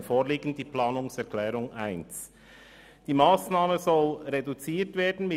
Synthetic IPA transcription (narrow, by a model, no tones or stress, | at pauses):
foːʁliːɡn̩d̥iːplɑːnʊŋsɛʁklɛːʁʊŋʔaɪns | d̥iːmaːsnaːməzɔlʁedut͡siːtv̥eːdn̩mɪ